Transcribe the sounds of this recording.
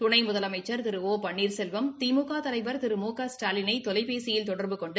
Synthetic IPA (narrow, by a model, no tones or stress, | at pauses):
t̪ʊɳɐɪmʊðɐlɐmɐɪt͡ʃːɐɾt̪ɪɾɯoːpɐɳːiːɾsɛlʋɐmt̪iːmukaːt̪ɐlɐɪʋɐɾt̪ɪɾɯmoːkaːsʈaːlɪnɐɪt̪ɔlɐɪpeːsɪjɪlt̪ɔɽɐɾbɯkɔɳɖɯ